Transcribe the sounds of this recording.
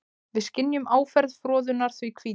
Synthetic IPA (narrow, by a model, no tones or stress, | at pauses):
vɪðscɪnːjʏmʔaːwfɛɾðfɾɔːðʏnːaɾ̥θvikʰv̥iː